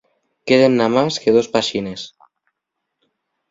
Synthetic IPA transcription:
keðenːamaskeðospaʃines

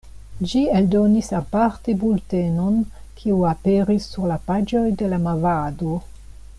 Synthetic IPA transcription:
d͡ʒieldo̞nisapaɾte̞bulte̞no̞n | kʰiuapeɾisːuɾlapad͡ʒo̞jde̞lamavado

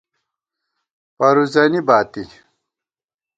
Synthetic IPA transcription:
pɐɾuzɐnibaːt̪i

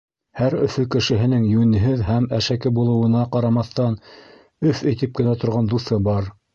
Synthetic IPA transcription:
hæɾɵ̆fɵkɘ̆ʃɘ̆ɦɘ̆nɘŋjʉnɘ̆ɦɘðhæmæʃækɘbulˠɤ̆wɤ̆nɑqɑɾɑmɑθt̪ɑn | ɵfɘ̆jt̪ɘp̚kɘ̆næt̪ŏɾʁɑnd̪uθɤbɑɾ

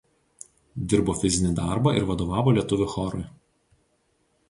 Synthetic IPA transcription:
d̪ʲɪɾboːfʲɪzʲɪnʲid̪ɑˑɾbɐˑʔɪ̰ɾʋɐd̪oːʋɑːʋoːlʲiɛt̪ʊʋʲʊxɔɾʊɪ

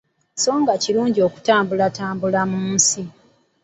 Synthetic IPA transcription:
so̞ːŋɡaciɾuːɲɟio̞ku̥taːmbulataːmbulamuːnsi

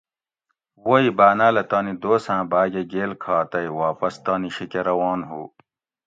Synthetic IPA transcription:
woibaːnaːlɐt̪aːnid̪oːsãːbaːɡeɡeːlkʰaːt̪ɐiwaːpɐst̪aːniɕikeɾɐwaːnɦuː

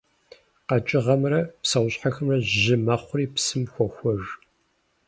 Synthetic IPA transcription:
qɐt͡ʃʼɪʁɐmrɐpsɐwʷɕħaxɨmrɐʒʑɪmɐχʷʊriːpsɨmxʷɔxʷɔʐ

